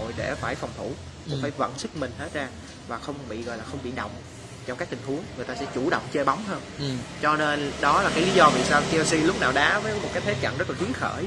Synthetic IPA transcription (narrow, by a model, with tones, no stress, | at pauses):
o̰˧˨jɗe˧˩faː˧˩jfɔ˨˩wŋ͡mt̪ʰu˧˩ | mo˨˩kaː˧˨˦jvə̰˧˨nsɨ˦˥k̚mï˨˩ŋ̟he˦˥t̚zaː˧ | vaː˨˩xə˧wŋ͡mɓḭ˧˨ɣɔ˧˨˩jlaː˨˩xə˧wŋ͡mɓḭ˧˨ɗə̰˧˨wŋ͡m | t͡ɕɔ˧wŋ͡mkaː˦˥k̚t̪ï˨˩ŋ̟hu˨˦əŋŋɨ˨˩ət̪aː˧sɛ̰˧˥t͡ɕu˧˩ɗə̰˧˨wŋ͡mt͡ɕe˧jɓa˨˦wŋ͡mɦəː˧nt͡ɕɔ˧ne˧nɗɔ˨˦la˨˩kaː˨˦jli˨˦zɔ˧vḭ˧˨saː˧wki˧si˧lʊ˦˥k͡p̚naː˨˩wɗaː˨˦vəː˨˦jmo˨˩t̚kaː˨˦jt̪ʰe˨˦t͡ɕa̰ː˧˨nzə˦˥t̚laː˨˩i˨˦əŋxə̰ː˧˩j